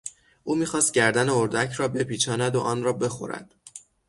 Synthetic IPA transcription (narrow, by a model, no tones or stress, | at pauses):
ʔuːmiːxɒːst̪̚ɟæɾd̪æneoɾd̪æcʰɾɒːbe̞pʰiːt͡ʃʰɒːnæd̪oʔɒːnrɒːbe̞xo̞̰ɾæ̰d̪̥